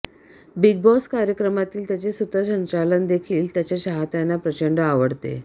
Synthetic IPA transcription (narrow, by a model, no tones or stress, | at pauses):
biɡ̚bɔskaɾjəkɾəmat̪iːlt̪jat͡ɕesut̪əɕənt̪ɾalənd̪ekʰiːlt̪jat͡ɕaɕaɦat̪janːapɾət͡ɕəɳɖəaʋəɽt̪ḛ